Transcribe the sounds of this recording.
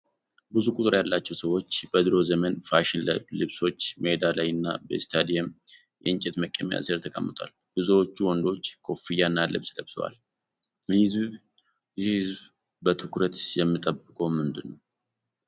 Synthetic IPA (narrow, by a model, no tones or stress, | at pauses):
bɨzukʼʊt̪ʼɨɾjalːat͡ʃːɛwsəwo̞t͡ʃːbəd̪ɨɾo̞zəmənfaʃɪnləlɨβso̞t͡ʃːməed̪alajɨnːa̰bə̰st̪ʰad̪ijɛm | jʔɨnt͡ʃʼɛt̪məkʼːəmja̰səɾt̪ʰəkʼəmːɨt̪ʰʼwa̰l | b̥ɨzəwot͡ʃːuwɔnd̪o̞t͡ʃːkʰo̞fijanːalɨ̰βsləβt̪ʰə̰wa̰l | hɨz | hɨzβ | bət̪ʰɨkɾət̪jɛmːɨt̪ʼəbɨkʼomɨnd̪ɨnːəw